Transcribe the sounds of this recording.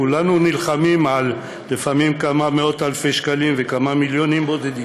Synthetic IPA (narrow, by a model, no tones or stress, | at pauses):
ulanunilχamimalː | efamimkamameo̞t̪halfeʃkalimvekamamiljonimbo̞d̪ed̪i